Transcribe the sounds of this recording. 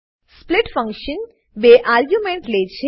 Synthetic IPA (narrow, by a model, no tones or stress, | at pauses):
splɪʈfə̃ŋkʃən | beʔaɾɡjumẽɳʈlet͡ʃʰe